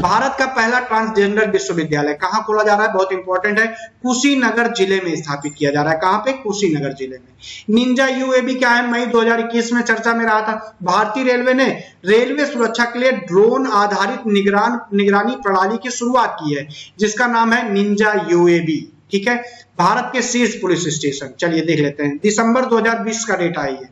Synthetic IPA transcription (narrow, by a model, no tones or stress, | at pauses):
bʱaːɾət̪kapɛɦlaʈɾãːnsd͡ʒeːɳɖəɾʋɪʃwəʋɪd̪jaːləɛkɐɦãboːlad͡ʒaːɾaːɦɛbɐɦʊt̪ɪ̃mpɔːɾʈə̃ɳʈɦɛkʊsinɐɡəɾd͡ʒɪlemẽɪst̪ʰaːpɪt̪̚kijad͡ʒaːɾaːɦɛkɐɦãpekʊsinɐɡəɾd͡ʒɪlemẽnɪ̃ɲd͡ʒajuːeːbikjaɦɛmɐid̪oːɦɐzaːɾɪkːiːsmẽt͡ʃɐɾt͡ʃamẽɾɐɦat̪ʰaːbʱaːɾt̪iːɾeːlʋene | ɾeːlʋesʊɾəkʃʰakelieɖɾoːnaːd̪ʱaːɾɪt̪nɪɡɾannɪɡɾaːnipɾəɽ̤aːlikiʃʊɾuaːt̪̚kiɦɛːd͡ʒɪskanaːmɦɛnɪ̃ɲd͡ʒajuːeːbi | ʈʰiːkɦɛː | bʱaːɾət̪̚kesiːɾspʊlɪsɪsʈeːʃənt͡ʃɐlied̪eːkʰleːt̪eɦɛ̃d̪ɪsə̃mbəɾd̪oːɦəzaːɾbiːskaɖeːʈaːiɦɛː